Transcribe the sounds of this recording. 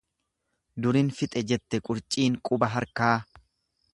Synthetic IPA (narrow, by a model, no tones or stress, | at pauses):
d̪ʊɾɪnfɪt̪ʼɛd͡ʒɛt̪ːɛkʼʊɾt͡ʃʼiːŋkʼʊbɐɦɐɾkaː